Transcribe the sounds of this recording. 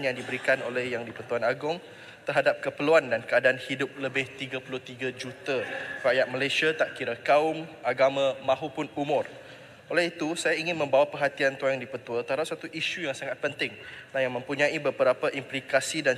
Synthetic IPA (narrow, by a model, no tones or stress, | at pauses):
njaŋdibəɾikanolɛhjaŋdipət̪uanaɡʊŋ | t̪ərɦadap̚kəpəluandankəadaːnhidʊp̚ləbɪht̪iɡəpulʊht̪iɡad͡ʒut̪arajat̪̚məlajsiat̪aʔkiɾakaʊmʔaɡamãmãɦupʊnumʊ̃r | ʔolɛɦit̪usajaiŋɪnmə̃mbawapərɦat̪iant̪uajŋdipət̪uat̪əɦadap̚sat̪uʔiʃujaŋsaŋat̪̚pənt̪ɪŋnahjaŋmə̃mpuɲãibəbəɾapaʔimplikasidan